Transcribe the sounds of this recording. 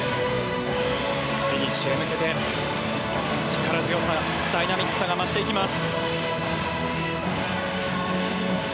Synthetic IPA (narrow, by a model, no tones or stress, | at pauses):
kiɲiɕiemɯ̟ke̞t̪e̞ | t͡ɕi̥kaɾazɨjo̞sa | d̪ainamʲikːɯ̥saŋɡamaɕi̥t̪eikʲimasɨ̥